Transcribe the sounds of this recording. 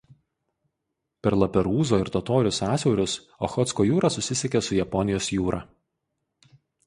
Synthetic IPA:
pʲɛɾlˠɐpʲɛɾuːzoːɪɾt̪ɔt̪oːɾʲʊsɑːsʲɛʊɾʲʊs | o̰ːxɔt̪skoːjuːɾɑsʊsʲɪsʲɛkʲesʊjɛpɔnʲɪjoːsjuːɾʔɑː

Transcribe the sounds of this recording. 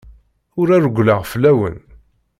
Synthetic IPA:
ʊɾæɾɡʷlaʁflæwə̰n

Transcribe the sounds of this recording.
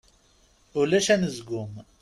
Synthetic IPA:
ʊlæʃænəzɡʊm

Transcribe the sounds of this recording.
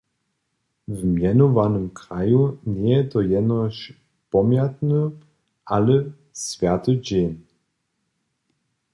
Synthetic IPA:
vmjɛnɔvanəmkɾajunjɛjɛt̪ɔjɛnɔʃ | pɔmjat̪nə | ʔalə | svʲjat̪əd͡ʑen

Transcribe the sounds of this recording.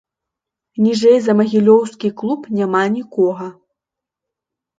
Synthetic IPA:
nʲiʐɛjzɐmɐɣʲilʲɔwskʲiklˠupnʲamanʲikɔɣɐ

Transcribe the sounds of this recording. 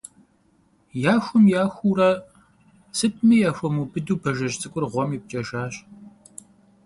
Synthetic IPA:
jaːxʷʊmjaːxʷuːɾɐ | sɨt̚ʰʼmijaːxʷɔmuːbɨduːbɐʒɐɕt͡sʼɨkʷʼʊrʁʷɔmip̚t͡ʃʼɐʒaːɕ

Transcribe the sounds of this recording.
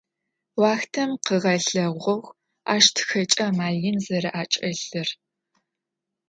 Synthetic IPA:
wɑːxtʰɐmqəʁɐɬɐʁʷɔx | aːʃtʰxɐt͡ʃʼɐmaːɮjɪnzɐɾɐʔaːt͡ʃʼɐɬɐr

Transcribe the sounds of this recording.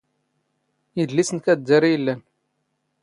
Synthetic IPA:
ədlːisənkæd̪ːæɾijəlːæn

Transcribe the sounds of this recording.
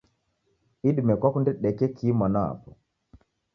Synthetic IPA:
iɗimɛkwakundɛɗɛkɛkʰiːmanaa̰pɔ

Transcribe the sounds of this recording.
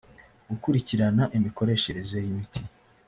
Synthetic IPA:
ɡukuɾiciɾanaʔimiko̞ɾe̞ʃe̞ɾe̞ze̞jimitʰi

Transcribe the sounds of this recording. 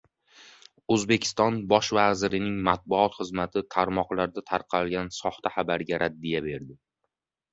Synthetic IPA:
ɵzbe̞kʲʰɪ̥st̪ɒnbɒʃvazɪɾɪnɪŋmat̪̚bʊɒt̪χɨzmat̪ʰɪt̪ʰaɾmɒqlˠaɾd̪at̪ʰaɾqʰɑlɡʲansɒχt̪ʰaχabaɾɡʲaɾʔad̪ːijabe̞ɾd̪ɪ

